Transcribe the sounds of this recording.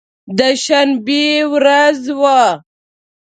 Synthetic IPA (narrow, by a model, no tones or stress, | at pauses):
d̪əʃanbiwɾazwa